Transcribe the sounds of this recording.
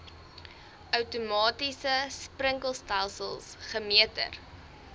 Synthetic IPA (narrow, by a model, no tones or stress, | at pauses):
œwtumɑːtisəsprəŋkəlˠstælˠsəlˠsχəmiətə̰r